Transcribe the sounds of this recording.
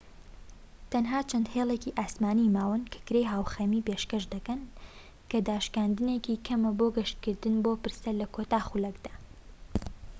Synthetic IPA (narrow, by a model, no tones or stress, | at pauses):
t̪ʰɐnɦaːt͡ʃʰɐnd̪heːlˠeciʔaːsmaːnimaːwɐnkʰḁkɾejɦaːwxemipeːʃkɐʃd̪ɐkɐn | kɐd̪aːʃkaːnd̪ɨnekikʰɐmɐboːɡɐʃt̪̚kɨɾd̪ɨnboːpɨɾsɐlɐkʰoːt̪aːχulɐkd̪aː